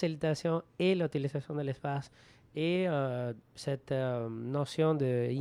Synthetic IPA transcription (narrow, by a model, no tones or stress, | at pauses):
silit̪asjɔ̃elut̪ilizasjɔ̃d̪əlespas | e | sɛt̪nosjɔ̃d̪ə